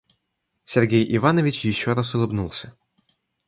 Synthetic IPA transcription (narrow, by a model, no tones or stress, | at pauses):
sʲɛrɣʲɛjivanɐvʲit͡ʃjiʃːɔɾasulˠɨbnulˠsʲɐ̥